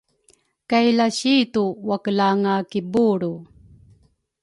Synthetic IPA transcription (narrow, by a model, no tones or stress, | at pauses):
kajlaɕituwakəlaŋakibuɾu